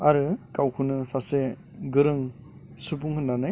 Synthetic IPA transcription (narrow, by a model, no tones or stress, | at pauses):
aɾɯkawkʰunɯsase | ɡɯɾɯŋ | supuŋhɯnːanaj